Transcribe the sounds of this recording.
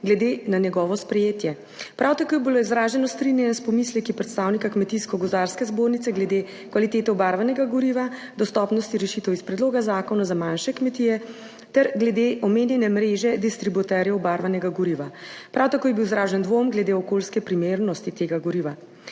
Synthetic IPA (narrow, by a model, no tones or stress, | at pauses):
ɡlɛd̪enanjɛɡɔːʋɔspɾɛjeːt̪jɛ | pɾawt̪akojɛbiloizɾaːʒɛnɔst̪ɾinjɛnɛspɔmislɛkipɾɛt̪st̪aːwnikakmɛt̪iskɔɡɔzd̪aɾskɛzboːɾnit̪sɛɡlɛd̪e | kʋalit̪eːt̪ɛɔbaɾʋanɛɡaɡɔɾiːʋa | d̪ɔst̪ɔpnɔst̪iɾɛʃit̪ɛwispɾɛd̪loːɡazaːkɔnazamanʃɛkmɛt̪ijɛ | t̪ɛɾɡlɛd̪eʔɔmeːnjɛnɛmɾeːʒɛd̪ist̪ɾibut̪ɛɾjɛɔbaɾʋanɛɡaɡɔɾiʋapɾawt̪akoːjɛbiwizɾaːʒɛnd̪ʋomɡlɛd̪eːɔkolskɛpɾimeːɾnɔst̪it̪eːɡaɡɔɾiːʋa